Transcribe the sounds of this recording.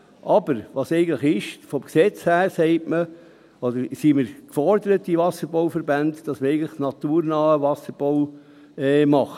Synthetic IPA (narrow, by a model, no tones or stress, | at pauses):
ʔɑbəɾʋɑːsɛɪɡən̩tləχɪʃfɔmksɛt͡shæːɾseɪtmə | od̪əɾsiməɾkfɔɾd̪əɾətːiʋɑsəɾboʊfəɾbændd̥ɑsməɾɛɪɡən̩tləχnɑt̪uːɾnɑːəʋɑsəɾb̥ow | ɛmɑχə